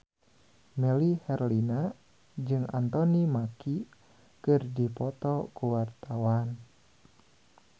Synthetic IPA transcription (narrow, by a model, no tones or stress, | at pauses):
mɛlihɛrlina | d͡ʒɨŋa̰nt̪ɔnimaki | kɨrdipɔt̪ɔkuwart̪awan